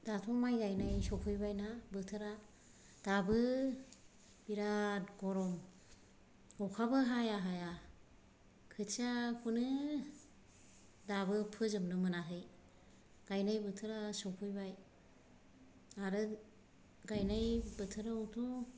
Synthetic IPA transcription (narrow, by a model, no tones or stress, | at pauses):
d̥atʰɔmajɡajnajsɔkʰujbajnabɯtʰɯɾa | d̥abɯ | biɾatɡɔɾɔm | ɔkʰabɯɦajaɦaja | kʰɯt͡ʃakʰunɯ | dabɯpʰɯzɯmnɯmɯnaɦɯj | ɡ̥ajnajbɯtʰɯɾasɔkʰujbaj | aɾɯ | ɡajnajbɯtʰɯɾawtʰu